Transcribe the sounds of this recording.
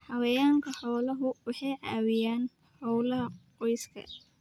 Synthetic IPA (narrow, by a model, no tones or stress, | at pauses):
ħɐwɐjaːŋkʰɐħɔːlɐɦʊwɑħɑjʕɑːwɪjaːn | ħɔwlɐɦɐqɔjskʰɐ̰